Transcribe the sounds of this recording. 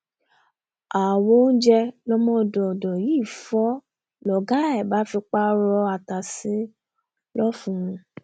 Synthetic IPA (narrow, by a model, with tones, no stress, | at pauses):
a˨wo˦n̩˦d͡ʒɛ˧lɔ˧mɔ̃˧˨dɔ˨dɔ˨ji˨˦˨fɔ˦ | lɔ˨ɡa˨˦ɛ˨ba˨˦fi˧k͡pa˦ɾɔ˧a˧ta˨si˨˦ | lɔ˦fũ˧ũ˧